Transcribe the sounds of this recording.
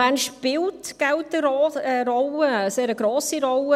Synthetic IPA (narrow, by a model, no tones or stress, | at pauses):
ɛnʃpɪltɡ̥ɛltəɾɔəɾɔləseːɾəɡɾoːsiɾɔlə